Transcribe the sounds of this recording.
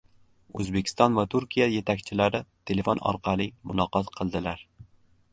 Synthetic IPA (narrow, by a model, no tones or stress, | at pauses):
ɵ̰zbekʲɪ̥st̪ɒnvat̪ʰʊɾkʲʰijaje̞t̪ʰakʲt͡ʃʰɪlaɾɪt̪ʰe̞le̞fonɒ̰ɾqʰɑlˠɪmʊlˠɒqʰɒt̪qʰɨlˠd̪ɪlaɾ